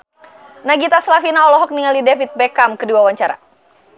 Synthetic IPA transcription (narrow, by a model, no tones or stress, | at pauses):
naɡit̪aslafinaɔlɔɦɔk̚niŋalidɛfit̪̚bɛkamkəduawaɲt͡ʃaɾa̰